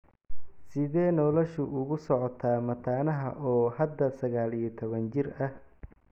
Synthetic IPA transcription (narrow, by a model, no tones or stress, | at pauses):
sɪðɛːnɔlɔʃʊʔʊɣʊsɔʕɔt̪ʰaːmɐt̪ʰaːnɐɦɐ̰ʔɔːhɐd̪ːɐsɐɣaːlijɐt̪ʰɔβɐnt͡ʃɪrɐh